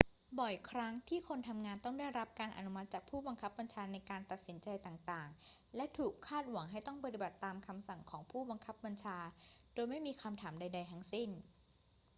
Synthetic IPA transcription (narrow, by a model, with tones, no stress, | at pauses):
bɔ˨˩jkʰɾa˦˥ŋt̪ʰiː˥˩kʰo˧nt̪ʰa˧mŋaː˧nt̪ɔ˥˩ŋda˥˩jɾa˦˥p̚kaː˧nʔa̰˧nu˦˥ma˦t̪̚t͡ɕaː˨˩k̚pʰuː˥˩ba˧ŋkʰa˦˥p̚ba˧nt͡ɕʰaː˧na˧jkaː˧nt̪a˨t̪̚si˩˦nt͡ɕa˧jt̪aː˨˩ŋt̪aː˨˩ŋlɛ˦˥ʔt̪ʰuː˨˩kʰːaː˥˩t̪̚wa˩˦ŋɦa˥˩jt̪ɔ˥˩ŋpa˧t̪i˨˩ba˨˩t̪ːaː˧mkʰa˧msa˨˩ŋkʰɔː˩˦ŋpʰuː˥˩ba˧ŋkʰa˦˥p̚ba˧nt͡ɕʰaː˧doː˧jma˥˩jmiː˧kʰa˧mt̪ʰaː˩˦mda˧jda˧jt̪ʰa˦˥ŋsi˥˩n